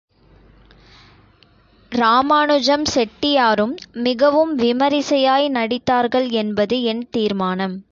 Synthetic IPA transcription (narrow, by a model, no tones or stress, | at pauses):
ɾaːmaːɳɯd͡ʒɐmsɛʈːɪjaːɾɯmːɪɣɐʋɯmʋɪmɐɾɪsɐjaːjnɐɽɪt̪ːaːɾɣɐɭɛnbɐðɯɛnt̪iːɾmaːnɐm